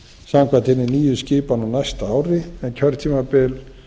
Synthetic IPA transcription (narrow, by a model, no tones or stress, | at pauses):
saːmkʰvat̪ɪnːɪniːjʏscɪːpanawnajst̪aaːwɾɪɛncʰœɾðt̪ʰiːmapɪl